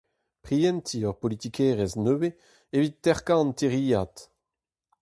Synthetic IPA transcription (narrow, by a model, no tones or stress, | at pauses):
pʁiɛ̃nt̪ʰiœʁpolit̪ikʰɛːʁɛznøːwe | evit̪ːɛʁkãɑ̃nt̪eʁiːat̪